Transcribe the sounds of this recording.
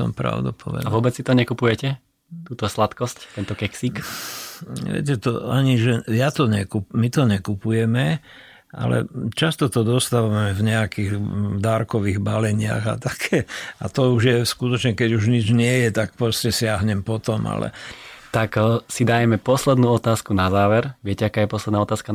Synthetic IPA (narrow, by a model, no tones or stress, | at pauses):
sɔ̰mpɾa̰ʊd̪upʰɔ̰ʋɛ̰d̪aʋʊɔbɛt͡ssit̪ɔɲɛkupujɛcɛ | t̪uːt̪ɔslat̪kɔsct̪ɛnt̪ɔkɛksiːk | ʋɛ̰cɛt̪ɔ̰aɲiʒɛjat̪ɔɲɛkupmit̪ɔɲɛkupujɛmɛ | a̰lɛ̰t͡ʃast̪ɔt̪ɔd̪ɔst̪aʋamɛvɲɛakiːɣd̪aɾkɔʋiːɣbalɛɲɪa̰ɣa̰t̪akʰɛːa̰t̪ɔuʒjɛskut̪ɔt͡ʃɲɛkɛɟuʒɲid͡ʒɲɪɛjɛt̪ak̚pɾɔscɛsɪaɦɲɛmpɔt̪ɔma̰lɛ̰t̪aksid̪ajɛmɛpɔslɛd̪nuːɔt̪aːskunazaːʋɛɾʋɪɛcɛakaːjɛpɔslɛd̪naɔt̪aːska